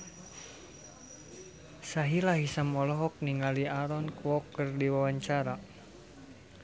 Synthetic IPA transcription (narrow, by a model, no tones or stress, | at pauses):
saɦilahisamɔlɔɦɔk̚niŋaliaɾɔnkwɔkːərdiwawaɲt͡ʃaɾa